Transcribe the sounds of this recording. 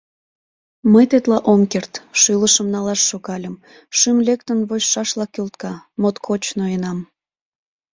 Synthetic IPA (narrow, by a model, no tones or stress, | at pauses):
məjt̪et̪lɑʔomkert̪ʃyləʃəmnɑlɑʃːoɣɑlʲəm | ʃymlʲek̚t̪ənβoɕʃɑʃlɑkølt̪kɑmot̪kʰot͡ɕnoenɑm